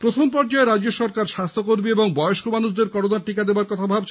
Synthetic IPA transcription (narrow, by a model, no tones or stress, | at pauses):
pɾot̪ʰompɔɾd͡ʑaeɾad͡ʑoʃɔɾkaɾʃast̪ʰokoɾbieboŋbɔjoʃkomanuʃd̪eɾkɔɽonaʈikad̪ebaɾkɔt̪ʰabʱabt͡ɕʰ